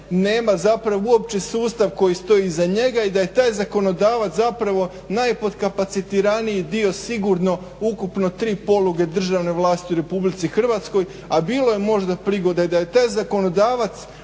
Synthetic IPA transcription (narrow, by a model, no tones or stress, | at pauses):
ne̞ːmazapɾaʋouo̞p̚t͡ʃesuːst̪aʋko̞jist̪o̞izaɲe̞ɡaid̪aje̞t̪aːjzako̞no̞d̪aːʋat̪szapɾaʋo̞ | najpo̞d̪kapat̪sit̪iɾanijid̪io̞siɡuɾno̞ | ukupno̞t̪ɾiːpo̞lˠuɡe̞d̪r̩ʒaʋne̞ʋlˠaːst̪iuɾe̞publit̪sixr̩ʋat̪sko̞j | abiːlo̞je̞mo̞ʒd̪apɾiɡo̞d̪ajd̪aje̞t̪aːjzako̞no̞d̪aːʋat̪s